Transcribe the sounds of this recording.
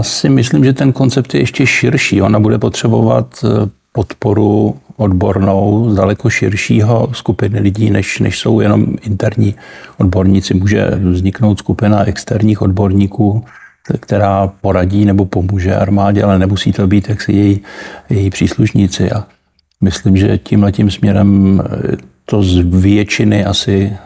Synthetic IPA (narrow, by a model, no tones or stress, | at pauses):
jjaːsɪmɪslimʒɛt̪ɛnko̞nt͡sɛp̚t̪jɛjɛʃcɛʃɪɾʃiːʔo̞nabudɛpo̞t̪r̥ɛbo̞va̰t̪ | po̞t̪po̞ɾuʔodbo̞ɾno̞wzdalɛkoʃɪɾʃiːɦo̞skupɪnɪlɪɟiːnɛʃnɛ̰ʃso̞wjɛno̞̰mɪnt̪ɛɾɲiːʔo̞dbo̞ɾɲɪt͡sɪmuːʒɛ̰vzɲɪkno̞wt̪skupɪnaʔɛkst̪ɛɾɲiːxo̞dbo̞ɾɲiːkuː | kt̪ɛɾaːpo̞ɾaɟiːnɛbo̞po̞muːʒɛʔa̰ɾmaːɟɛʔalɛnɛmusiːt̪obiːt̪jaksɪ̰jɛjijɛjiːpr̝̥iːsluʃɲɪt͡sɪ̰ʔa | mɪslimʒɛ̰cimlɛcimsmɲɛɾɛm | t̪o̞zvjɛt͡ʃɪnɪʔasɪ